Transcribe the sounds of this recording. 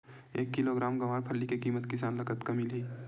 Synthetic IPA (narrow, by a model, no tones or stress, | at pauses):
ḛːkːɪloɡɾaːmɡɐʋaːɾpʰɐlːikekiːmət̪kɪsaːnlɐkət̪kɐmilɦiː